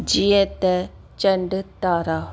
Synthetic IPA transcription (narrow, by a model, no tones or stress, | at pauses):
d͡ʒiːẽt̪ɛ | t͡ʃəɳɖt̪aːɾaː